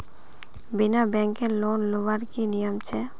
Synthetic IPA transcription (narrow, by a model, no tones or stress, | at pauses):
binabɛŋkeɾlonloʋaɾkinijomt͡ɕʰe